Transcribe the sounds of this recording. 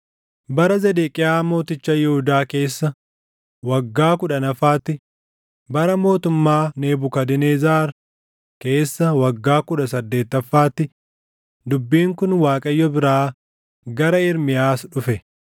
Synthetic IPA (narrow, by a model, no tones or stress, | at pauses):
bɐɾɐzɛd̪eːkʼɪjaːmo̞ːt̪ɪt͡ʃːɐjɛhʊd̪aːke̞ːsːɐ | wɐɡːaːkʊᶑɐnɐfaːt̪ːɪ | bɐɾɐmo̞ːt̪ʊmːaːne̞ːbʊkɐd̪ɪneːzaːɾ | ke̞ːsːɐwɐɡːaːkʊᶑɐsɐd̪ːe̞ːt̪ːɐfːaːt̪ːɪ | d̪ʊbːiːŋkʊnwaːkʼɐjːɔbɪɾaː | ɡɐɾɐɪɾmɪjaːsᶑʊfɛ